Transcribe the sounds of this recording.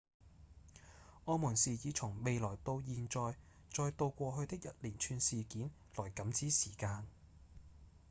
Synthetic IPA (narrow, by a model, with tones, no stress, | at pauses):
ʔɔː˧muː˨˩nsiː˨˩jiː˨˧t͡sʰʊ˨˩ŋme˨jlɔː˨˩jt̪o˧wjiː˨nt͡sɔː˨˧j | t͡sɔː˧jt̪o˧wkʷɔː˧ɦɵ˧ɥt̪ɪ˥k̚jɐ˨t̚liː˨˩nt͡ʃʰyː˧nsiː˨kiː˨˥n | lɔː˨˩jkɐ˨˥mt͡siː˨˥siː˨˩kaː˧n